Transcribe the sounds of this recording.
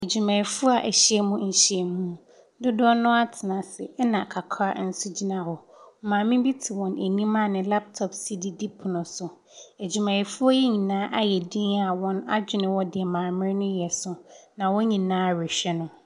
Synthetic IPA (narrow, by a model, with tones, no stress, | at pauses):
æ˨d͡ʑu˨mɛ̃˨i˨fʊ˦a˨ʔæ˨ɕi˦ɛ˦mũ˦ɲ̩˨ɕi˦ɛ˨mũ˦˨˦ | dʊ˦dɔ˦nʊ̃˦a˦tʰɪ˨nã˨sɪ˨˦nã˨kʰa˨kʰa̰˦˨n̩˦sʊ˦d͡ʑi˦nã˨wɔ˨ | mãː˨mɪ̃˦bi˦tʰi˨wɔ̃˨næ˨nĩ˦mã˦˨nɪ̃˨la˦p̚tʰɔ˨psi˦di˦di˦pʰʊ˨nʊ̃˨sʊ˨ | æ˨d͡ʑu˨mɛ̃˨ɪ˨fʊ˦ɔ˦jɛ˦ɲĩ˨nãː˦ʔa˦jɛ˨dĩ˦na˨wɔ̃˦na˦d͡ʑᶣɪ˨nɪ̃˨wɔ˦dɪ˨ɛ˨mãː˨mɪ̃˦ɾnʊ̃˦jɛ˨sʊ˨nã˨wɔ˦ɲĩ˨nãː˨˦ɹe˨ɕᶣɛ˦nʊ̃˦